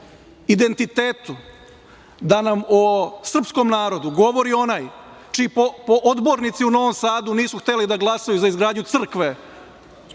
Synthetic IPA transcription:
id̪e̞nt̪it̪eːt̪u | d̪anamosr̩psko̞mnaːɾo̞d̪uɡo̞ʋo̞ɾio̞naːj | t͡ʃiːpopoʔod̪bo̞ɾnit̪siuno̞ʋo̞msaːd̪uniːsuxt̪e̞lid̪aɡlˠasajuzaizɡɾaːd̪ɲut̪sr̩kʋe

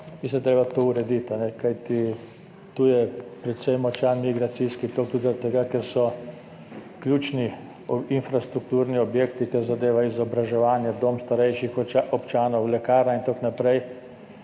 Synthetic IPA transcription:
mislint̪ɾeːbat̪ouɾɛd̪it̪anɛkajt̪i | t̪uːjɛpɾɛt̪sɛjmɔt͡ʃanmiɡɾat̪siskit̪okd̪ud̪zaɾat̪ːɛɡakɛɾsɔ | kljuːt͡ʃni | infɾast̪ɾuk̚t̪uːɾniɔbjekt̪ikɛɾzad̪eːʋaizɔbɾaʒɛʋaːnjɛd̪omst̪aɾɛjʃixɔpt͡ʃaːnɔwlɛkaːɾaint̪oknapɾɛj

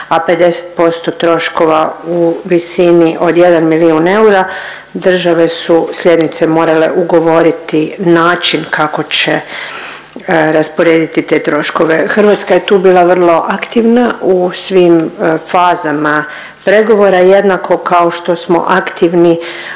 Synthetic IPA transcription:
ape̞d̪e̞se̥t̪̚po̞st̪ot̪ɾo̞ʃko̞ʋauʋisiniʔo̞d̪je̞d̪anmiliune̞uɾa | d̪r̩ʒaʋe̞suslje̞d̪nit̪semo̞ːɾale̞ʔuɡo̞ʋo̞ɾit̪inaːt͡ʃinkʰako̞t͡ɕe | ɾaspoɾeːd̪it̪it̪e̞ːt̪ɾo̞ʃko̞ʋe̞xr̩ʋat̪skaje̞t̪uːbiːlˠaʋər̩lˠo̞ʔakt̪iʋnausʋiːmfaːzama | pɾe̞ɡo̞ʋo̞ɾaje̞d̪nakʰo̞kaoʃt̪o̞smo̰ʔakt̪iʋni

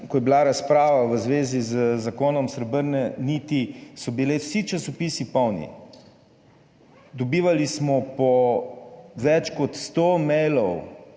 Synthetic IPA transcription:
kɔjɛbilaɾaspɾaːʋaʋəzʋeːzizəzakoːnɔmsɾəbəɾnɛnit̪isɔbilewsit͡ʃasɔpisipɔwnḭ | d̪ɔbiːʋalismɔpɔ | ʋɛt͡ʃkɔt̪st̪omɛjlɔw

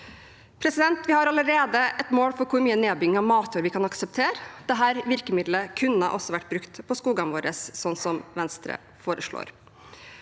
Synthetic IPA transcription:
pʰɾɛsɪd̪ɛnt̪ʋɪhɑɾɑləɾeːd̪əɛt̪moːlfɔɾkʰʊɾmyːəneːbʏɡɪŋɑʋmɑːt̪ʰʉːɾʋɪkʰɑnɑksəp̚t̪ʰeːɾd̪̥ɛɦæːɾʋɪɾkəmɪd̪ləkʰʉnəʔɔsɔʋæʈːbɾʉkt̪pʰɔskuːɡɑnʋoːɾəsːɔnːsɔmʋɛnst̪ɾə̰ | foːɾəʂɭo̰ːɾ

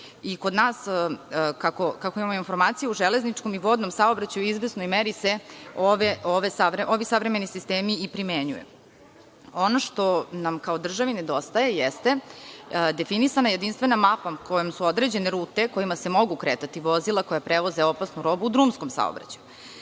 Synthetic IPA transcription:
ikod̪naːs | kakokakoimamoinfo̞ɾmaːt̪sijeuʒele̞znit͡ʂko̞miʋo̞d̪no̞msao̞bɾat͡ɕajuizʋesno̞jmeɾise̞oʋeoʋesaʋɾeʔo̞ʋisaʋɾemenisist̪eːmiipɾimeɲṵjḛ | onoʃt̪o̞namkao̞d̪r̩ʒaʋined̪o̞st̪aje̞jest̪e̞ | d̪e̞finisanaje̞d̪inst̪ʋe̞namapako̞jomsuod̪ɾed͡ʑe̞neɾuːt̪e̞ko̞imase̞mo̞ɡukɾeːt̪at̪iʋo̞zilˠako̞japɾeʋo̞zeo̞pasnuɾo̞buːd̪ɾuːmsko̞msa̰o̰bɾa̰t͡ɕaju

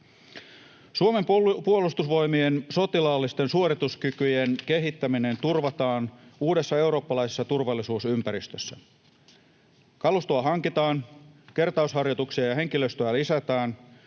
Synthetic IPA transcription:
suome̞mppuolust̪usʋo̞jmienso̞t̪ilɑːlːist̪e̞nsuoɾit̪uskykyjenke̞ɦit̪ːæmine̞nt̪urʋɑt̪ɑːnuːde̞sːɑe̞uɾoːpːɑlɑisesːɑt̪urʋɑlːˑisuːsympæɾist̪øsːæ | kɑlust̪oɑɦɑŋkit̪ɑːnke̞rt̪ɑushɑrjot̪uksiɑjɑɦe̞ŋkiløst̪øælisæt̪æːn

